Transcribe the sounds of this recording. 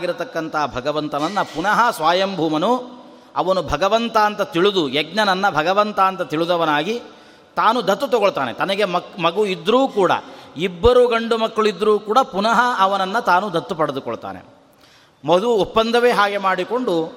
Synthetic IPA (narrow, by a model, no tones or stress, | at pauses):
aːɡiɾut̪ɐkːɐnt̪ɐɦɐbʱɐɡɐʋɐnt̪ɐʋɐnːɐpunɐɦɐsʋaːjɐmbʱuːmɐnu | ɐʋɐnubʱɐɡɐʋɐnt̪ɐːnt̪ɐt̪iɭud̪ujɛɡ̚ɲɐnɐnːɐbʱɐɡɐʋɐnt̪aːnt̪ɐt̪iɭud̪ɐʋɐnaːɡi | t̪aːnud̪ɐt̪ːut̪ɔɡoɭt̪aːnet̪ɐnɐɡe̞mɐkmɐɡuid̪ɾuːkuːɽɐ̰ibːɐɾuːɡɐɳɖumɐkːɐɭid̪ɾuːkuːɽɐpunɐɦɐːʋɐnɐnːɐt̪aːnud̪ɐt̪ːupɐɽed̪ukɔɭt̪a̰ːnḛ | mod̪uɔpːɐnd̪ʱɐʋeɦaːɡe̞maːɽiko̞ɳɖu